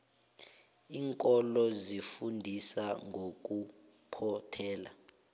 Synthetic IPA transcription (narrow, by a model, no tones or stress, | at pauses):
iːŋkʼɔlɔzifundʱisaŋɡʱok̬ʼu | pʰɔtʰɛːla̰